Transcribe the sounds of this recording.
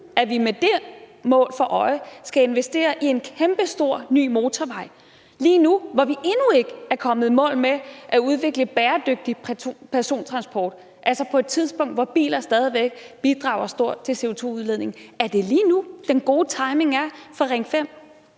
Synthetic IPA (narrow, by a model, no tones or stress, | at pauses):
æʋimed̥e̝mɔ̰̽ːlfɒ̽ʔɒ̽ɪsɡ̥æe̝nʋesd̥e̝̰ːɐʔie̝nkʰemb̥əsd̥o̝ɐ̰ny̰ːmo̝ːt͡sʰɒʋɑ̈ɪ̰ | liːnuʋɒʋiʔenue̝ɡ̥əæɐkʰɒ̽məð̞̩ˠmɔ̰̽ːlmeʔæuðˠʋe̝ɡ̥ləb̥ɛːɐd̥øɡ̥̚d̥ipʰpʰæɐso̝̰ːnt͡sʰʁɑ̈nsb̥ɒ̰ːd̥ | ʔælsɐpʰɒ̽e̝d̥̚t͡sʰið̞ˠsb̥ɔ̽ŋ̰d̥ʋɒb̥ḭːlɐsd̥ɛːð̞ˠiʋeɡ̥̚b̥id̥ʁɑ̈ʊɐsd̥o̝ɐ̰̥t͡sʰe̝se̝o̝t͡sʰo̝̰ːuðˠleðˠne̝ŋ̩æɐd̥e̝liːnud̥enɡ̥o̝ːt͡sʰɑ̈ɪme̝ŋæɐfɒʁɛŋfem̰